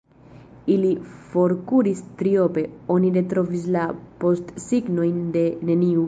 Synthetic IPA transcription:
ilifo̞ɾkuɾist̪ɾio̞pe̞o̞niɾe̞t̪ɾo̞vis̬lapo̞stsiɡno̞jnde̞ne̞niu

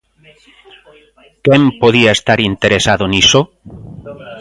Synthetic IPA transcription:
kempoðiaest̪aɾint̪eɾesaðoniso

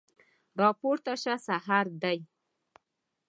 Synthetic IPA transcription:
ɾɑpoɾt̪aʃasaɦaɾd̪aj

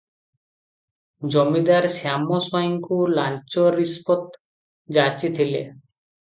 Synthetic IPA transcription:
d͡ʑomid̪aɾsamosɔiŋkulant͡ɕoɾispot̪ | d͡ʑat͡ɕit̪ʰilḛ

